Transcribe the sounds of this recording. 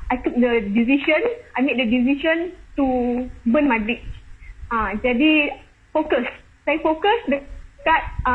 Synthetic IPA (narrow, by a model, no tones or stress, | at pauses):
ʔajtuk̚dədisiʃə̃nʔajmedədiziʃə̃nt̪ubə̃nmãdɹit͡ʃãd͡ʒadi | fokəs | saifokəsdəkat̚